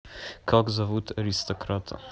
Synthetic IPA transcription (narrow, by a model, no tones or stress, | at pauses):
kʰɔɡzavut̪aɾist̪ɔkɾat̪ʰa̰